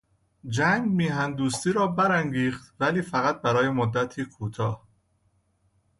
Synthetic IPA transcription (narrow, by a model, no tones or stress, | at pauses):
d͡ʒæŋɡmiːɦænd̪uːst̪iːɾɒːbæɾæŋɡiːχt̪væliːfæɣæt̪̚bæɾɒːjemod̪ːæt̪ʰiːkʰuːt̪ʰɒːh